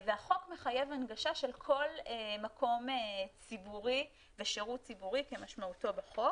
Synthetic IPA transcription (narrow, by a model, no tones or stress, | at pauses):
veaχo̞kmeχaje̞vanɡaʃaʃe̞lkʰo̞lemakʰo̞met͡sibuʁi | veʃeʁutt͡sibuʁikemaʃmauto̞beχo̞k